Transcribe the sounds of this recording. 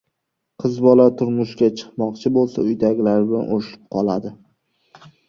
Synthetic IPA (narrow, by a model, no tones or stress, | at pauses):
qʰɨzbɒlat̪ʰʊɾmʊʃkʲat͡ʃʰɨ̥qmɒqt͡ʃʰɪbolˠsa̰ʊjd̪aɡʲlaɾɪbɪla̰nʔoɾɪʃɪp̚qʰɒlˠad̪ɪ